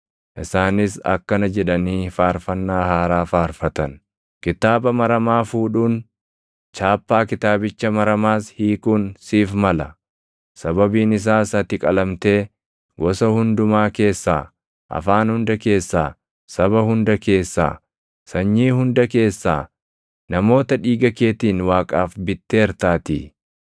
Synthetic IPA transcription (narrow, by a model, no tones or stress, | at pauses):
ʔɪsaːnɪsɐ̰kːɐnɐd͡ʒɛᶑɐniːfaːɾfɐnːaːhaːɾaːfaːɾfɐt̪ɐn | kɪt̪aːbɐmɐɾɐmaːfuːᶑuːn | t͡ʃaːpːaːkɪt̪aːbɪt͡ʃːɐmɐɾɐmaːshiːkuːnsiːfmɐlɐ | sɐbɐbiːnɪs̬aːsɐt̪ɪkʼɐlɐmt̪e̞ː | wɔsɐhʊnd̪ʊmaːke̞ːsːa̰ː | ʔɐ̰faːnhʊnd̪ɐke̞ːsːa̰ː | sɐβɐhʊnd̪ɐke̞ːsːa̰ː | sɐɲːiːhʊnd̪ɐke̞ːsːa̰ː | nɐmo̞ːt̪ɐᶑiːɡɐkeːt̪iːnwaːkʼaːfbɪt̪ːeːɛɾt̪aːt̪ḭː